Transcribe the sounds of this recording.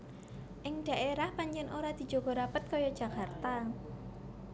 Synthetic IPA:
ʔɪŋɖ̥a̤ʔeɾahpaɲd͡ʒɛnoɾad̪̥i̤d̥d͡ʒ̥o̤ɡ̥ɔ̤ɾapət̪̚kɔjɔd̥ʒ̥ä̤kart̪a

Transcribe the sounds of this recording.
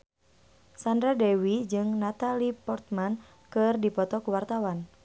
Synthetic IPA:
sandɾadɛwid͡ʒɨŋnat̪alipɔrt̪̚man | kɨrdipɔt̪ɔkuwart̪awan

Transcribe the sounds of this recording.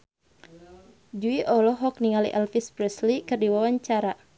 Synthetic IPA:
d͡ʒuiʔɔlɔɦɔk̚niŋalḭʔɛlfispɾɛslikɨrdiwawaɲt͡ʃaɾa

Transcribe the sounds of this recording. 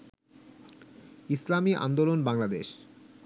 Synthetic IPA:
islamiʔa̰nd̪olonbaŋlad̪eʃ

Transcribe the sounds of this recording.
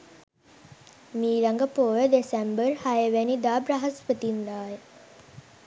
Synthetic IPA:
miːlaŋɡəpoːʋəd̪esɛmbərhajəʋænid̪aːbɾɐɦɐspət̪ind̪aːjə

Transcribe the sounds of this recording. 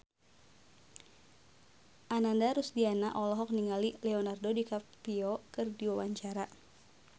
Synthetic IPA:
ʔanandaɾusdianaʔɔlɔɦɔk̚niŋalilɛɔnardodikapiɔkɨrdiwawaɲt͡ʃaɾa

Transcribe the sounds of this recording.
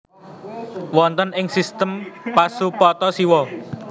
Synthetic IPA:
wɔnt̪ənɪŋsist̪əmpasupɔt̪ɔsiwɔ

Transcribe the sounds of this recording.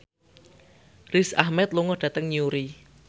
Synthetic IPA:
risahmɛt̪̚luŋɔɖ̥ä̤t̪əŋɲuɾi

